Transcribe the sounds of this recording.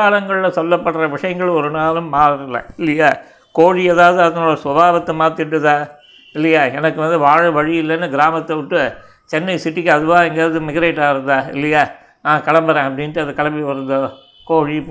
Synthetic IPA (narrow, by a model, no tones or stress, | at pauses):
aːɭɐŋɡɐɭlɐsɔlːɐpːɐɽrɐʋɪʂɐjɐŋɡɐɭɔɾɯnaːlɯmːaːɾɯlːɐ̰ɪlːɐjaː | koːɻieːðaːʋɐðɯɐðɐnoːɽɐsʋɐbʱaːʋɐt̪ːɐmaːt̪ːɪʈːɯt̪ãː | ɪlːɐjaːɛnɐkːɯʋɐnd̪ɯʋaːɻɯʋɐɻɪjɪlːɛnːɯɡɪɾaːmɐt̪ːɐʋɪʈːɯ | t͡ʃɛnːɐɪsɪʈːɪkːɐðɯʋãːɛŋɡeːɾɐðɯmɪɣɐɾeːʈːaːɪɾɯnd̪ãːɪ̰lːɐjaː | nãːkɐɽɐmbɐɾẽːɐp̬ːɐɽɪnʈːɯɐðɐkɐɭɐʋiʋɐɾɯnd̪ɐ | koːɻi